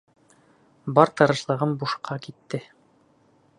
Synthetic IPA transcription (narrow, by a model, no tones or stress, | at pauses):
bɒɾt̪ɤ̆ɾɤ̆ʃlˠɤ̆ʁɤmbuʃqʰɑkit̪ːɘ